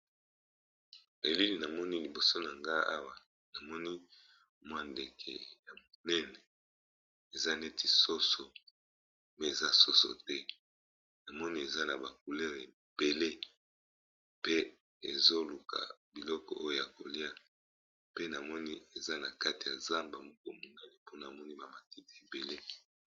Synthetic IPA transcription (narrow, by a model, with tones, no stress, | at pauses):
e˨li˦li˨na˨mɔ˦ni˦li˨bo˨so˦na˨ŋɡa˦a̰˦wa˨ | na˨mɔ˦ni˦ | mwa˦nde˨kʰɛ̰˨ja˨mo˨nɛ˦nɛ˨ | e˨za˦ne˦ti˨so˦so˨ | mɛ˦e˨za˦so˦so̰˨tɛ˦ | na˨mɔ˦ni˦e˨za˦na˨ba˨k̚u˨lɛ˦ʁe˨b̥e˨le˦ | pe˦ | e˨zo˦lu˨kʰa̰˨bi˨lɔ˦kɔ̰˨ʔo˦jo˦˨ja˨ko˨li˦a˨ | pe˦na˨mɔ˦ni˦e˨za˦na˨ka˦ti˨ja˨za˦mba˨mo˦ko˦˨mo˨nɛ˦nɛ˨po˦na˨mɔ˦ni˦ba˨ma˨ti˦ti˨e˨be˨le˦